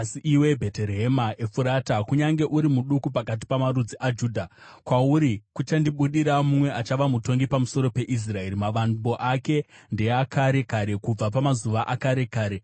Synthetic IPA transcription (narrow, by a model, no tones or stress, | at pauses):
siʔiwe̞bʱe̞teɾɦɦemaefuɾatakuɲaŋɡe̞ʔuɾimuɗukupakat̬i̥pamaɾud͡ziʔad͡ʒuːdʱakwauɾikut͡ʃandiɓuɗiɾamumwe̞at͡ʃaʋamuto̞ŋɡipamuso̞ɾo̞pe̞ʔis̬rae̞ɾimaʋanbo̞ʔake̞nde̞akaɾe̞kaɾe̞kub͡vap̬amazuʋaʔakaɾe̞kaːɾe